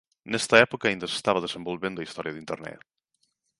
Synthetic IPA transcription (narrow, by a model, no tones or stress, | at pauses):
nɛst̪ɐɛpokɐːind̪ɐse̥st̪aβɐðesẽmbolβẽnd̪ʊɐist̪ɔɾjɐðint̪ḛɾnɛ̰t̪